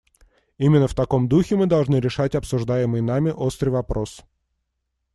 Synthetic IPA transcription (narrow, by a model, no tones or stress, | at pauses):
imʲɪnːəft̪ɐko̞md̪uxʲɪmɨd̪ɐlˠʐnɨɾʲɪʂatʲɐpsʊʐd̪ajɪmɨjnamʲɪʔo̞st̪ɾɨjvɐpɾʔo̞s